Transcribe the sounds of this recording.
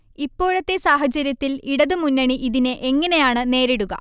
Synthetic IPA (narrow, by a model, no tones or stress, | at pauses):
ipːo̞ːɻɐt̪ːe̞saːɦɐt͡ɕɐɾjɐt̪ːiliɽɐðɨmunːɐɳiʔiðineʔeŋːɐne̞jaːɳɨne̞ːɾiɽuɣɐ̰